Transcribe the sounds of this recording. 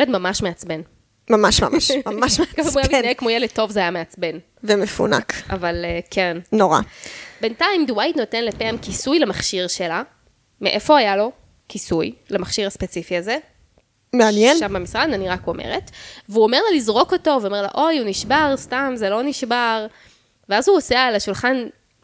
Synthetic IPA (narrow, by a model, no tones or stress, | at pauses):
jledmamaʃmeat͡sben | mamaʃma̰maʃmamaʃekaimujaaminajekmojeled̚tːo̞vzeajameat͡sbe̞n | vemefṵna̰ka̰valekʰennoʁa̰be̞ntaimdwajtno̞tenlepeamkisujlemaχʃiʁʃe̞la | meʔefo̞hajalo̞ | kisujlemaχʃiʁaspe̞t͡sifiaze | meanjenʃambamisʁadaniʁakomḛʁetveuomeʁlalizʁo̞ko̞to̞veome̞ʁla̰ʔo̞juniʃbaʁstamzelo̞niʃbaʁ | veazhuosealaʃulχan